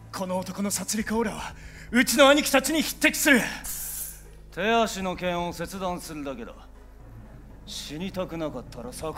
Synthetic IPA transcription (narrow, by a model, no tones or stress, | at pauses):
kʰo̞no̞ːt̪o̞ko̞no̞sat͡sɨɾʲikaoɾaβa | ɯ̟t͡ɕino̞aɲ̟ikʲi̥t̪at͡ɕiɲ̟içi̥t̪ːe̞kʲi̥sɨɾɯ | t̪ʰe̞aɕino̞kẽ̞ɰ̃ose̞t͡sɨd̪ãɰ̃sɨɾɯ̟d̪ake̞d̪o̰ | ɕiɲʲit̪akɯ̟nakat̪ːaɾasak